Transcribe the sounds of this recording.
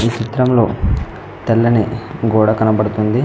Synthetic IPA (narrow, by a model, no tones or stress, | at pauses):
iːt͡ʃit̪ɾɐmlo̞̰ː | t̪ɛlːɐniɡuːɽɐkɐnɐbɐɽut̪und̪i